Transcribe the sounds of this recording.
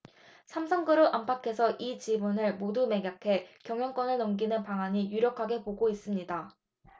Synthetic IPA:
sʰamsʰaŋɡɯɾoʔampʰakʰe̞sʰʌʔit͡ɕibunɯɭmodume̞ɡjʌkʰe̞kjʌŋjʌŋk͈wʌnɯɭnʌmɡinɯnpaŋaɲijuɾjʌkʰaɡe̞poɡois͈ɯmɲida

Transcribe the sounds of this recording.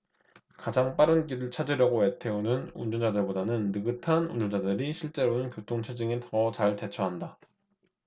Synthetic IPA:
kad͡ʑaŋp͈aɾɯnɡ͈iɾɯɭt͡ɕʰad͡ʑiɾjʌɡoe̞tʰe̞onɯnṵnd͡ʑʌnd͡ʑadɯɭbodanɯnːɯɡɯtʰanund͡ʑond͡ʑadɯɾiɕʰiɭt͡ɕ͈e̞ɾonɯnkjotʰoŋt͡ɕʰed͡ʑɯŋetʌt͡ɕaɭte̞t͡ɕʰʌɦanda

